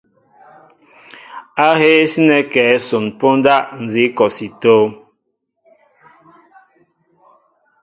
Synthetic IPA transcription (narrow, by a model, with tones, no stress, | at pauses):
a˦he˦si˦nɛ˨kɛː˨˦so˨npo˦n˦da˦˨ʔn̩˨zi˨˦kɔ˨si˨toː˦